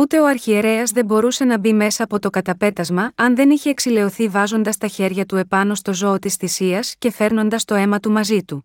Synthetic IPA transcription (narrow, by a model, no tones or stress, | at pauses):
ut̪e̞o̞ɐɾçie̞ɾe̞ɐzðe̞mbo̞ɾuse̞nɐbime̞sɐːpo̞t̪o̞kɐt̪ɐpe̞t̪ɐzmɐɐnðe̞niçeːksile̞o̞θivɐzo̞nd̪ɐst̪ɐçe̞ɾʝɐt̪ue̞pɐno̞st̪o̞zo̞ot̪isθisiɐsce̞fe̞ɾno̞nd̪ɐst̪o̞e̞mɐt̪umɐzit̪u